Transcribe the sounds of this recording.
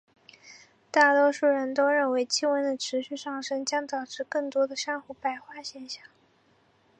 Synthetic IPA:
t̪a˥˩t̪wɔ˥ʂu˥˩ɻə˧˥nt̪o˥ʊɻə˥˩nwe˧˥ɪt͡ɕʰi˥wə˧˥nd̪ə˧˨ʈ͡ʂʰɻ̩˧˥ɕy˥˧ʂɑ˥˩ŋʂɤ˥ŋt͡ɕjɑ˥ŋt̪ɑ˨˩ʊʈ͡ʂɻ̩˥˧kɤ˥˩ŋt̪wɔ˥d̪ə˨ʂjɑ˥ŋxu˥˩pa˥˩ɪxwa˥˩ɕjɛ˥˧nɕjɑ˥˩ŋ

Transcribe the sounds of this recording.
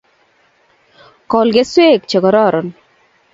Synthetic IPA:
kɔ˨lɡe˦swe˦kt͡ʃe˨ɡɔ˨ɾɔ˦˨ɾɔ˨n

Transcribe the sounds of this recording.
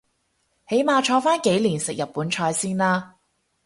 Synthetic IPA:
he˨˥jmaː˨˧t͡ʃʰɔː˧faː˥nke˨˥jliː˨˩nsɪ˨k̚jɐ˨pːuː˨˥nt͡ʃʰɔː˧jsiː˥nlaː˥

